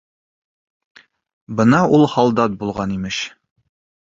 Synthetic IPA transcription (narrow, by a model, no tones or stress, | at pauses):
bɤnɑʔulˠhɑlˠd̪ɑt̪̚bulˠʁɑnimɘʃ